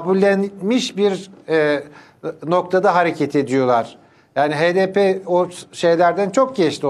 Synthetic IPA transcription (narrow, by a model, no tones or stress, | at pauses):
bulʲːænmiʃbiɾɛ | no̞k̚t̪ʰad̪aɦaɾecʰet̪ʰe̞d̪ijo̞lˠaɾ̥ | jaːniɦeːd̪epʰeoʃe̞jlʲæɾd̪ænt͡ʃʰo̞k̚ɟɛt͡ʃlʲi